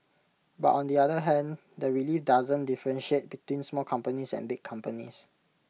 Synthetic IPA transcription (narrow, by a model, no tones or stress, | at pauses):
ba̰tɔ̃ndiadəɦɛ̃n | dəɹilifdazə̃ndifəɹɛ̃nʃiet̚bitwĩnsmɔlkʰãmpənisɛ̰̃nbɪkʰːãmpənḭs